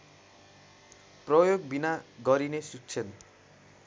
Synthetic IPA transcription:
prʌjoɡbinaɡʌɾinesuk̚t͡sʰen

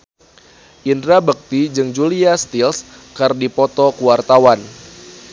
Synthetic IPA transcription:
ʔindɾabək̚t̪id͡ʒɨŋd͡ʒuliast̪ils | kərdipɔt̪ɔkuwart̪awan

